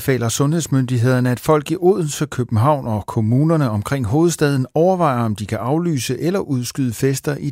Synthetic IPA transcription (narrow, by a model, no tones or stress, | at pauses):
fɛ̰ːlɐsɔ̽nhe̝ðˠsmønd̥iɦe̝ð̞̰ˠɐnəæd̥fɒ̽l̰ɡ̥iʔo̝ðˠn̩səkʰøb̥n̩ɦɑ̈ʊ̰nɒ̽kʰo̝muːnɐnəɒ̽mkʰʁeŋ̰ɦo̝ːð̞̩ˠsd̥ɛð̞ˠn̩ɒʊɐʋɑ̈ɪ̰ɐɒ̽md̥ikʰæʔɑ̈ʊly̰ːsəʔelɐʔuð̞ˠsɡ̥yðˠəfesd̥ɐʔi